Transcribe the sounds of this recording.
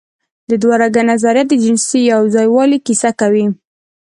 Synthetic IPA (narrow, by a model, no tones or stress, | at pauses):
d̪əd̪waɾaɡanazaɾjat̪̚d̪əd͡ʒɪnsijawzɑjwɑlikisakawi